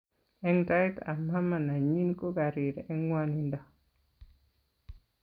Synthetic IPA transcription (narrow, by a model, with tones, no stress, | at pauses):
ɛ˦ŋta˦jta˨ma˦ma˨na˨ɲi˦nko˦ɡa˨ɾi˨ɾɛ˦ŋwa˦ni˨ndɔ˨